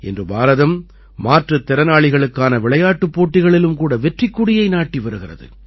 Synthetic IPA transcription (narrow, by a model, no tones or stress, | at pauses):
ɛ̰ndrɯbaːɾɐðɐmː | aːʈrɐt̪ːɪɾɐnaːɭɪɣɐɭɯkːaːnɐʋɪɭɐjaːʈːɯpːoːʈːɪɣɐɭɪlɯmkuːɽɐʋɛʈrɪkːʊɽɪjɐɪnaːʈːiʋɐɾɯɣɪrɐ̰ðɯ̰